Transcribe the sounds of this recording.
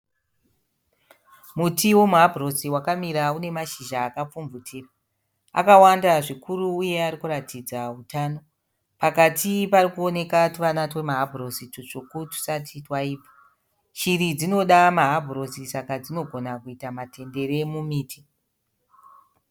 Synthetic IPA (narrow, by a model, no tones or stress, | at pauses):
mutiwo̞muɦabʱro̞siwakamiɾaune̞maʃiʒaːkap͡fumvutʰiːra | a̰kawandaʐikʰuɾuːje̞aɾikuratid͡zautaːno̞ | pakatiparikuone̞katuʋanatwe̞maɦabʱro̞situt͡ʂokutu̥satʰitwaiːpḁ | t͡ʃirid͡zino̞ɗamaɦabʱuro̞sisakad͡zino̞ɡʱo̞nakuitamatʰe̞nde̞re̞mumiːti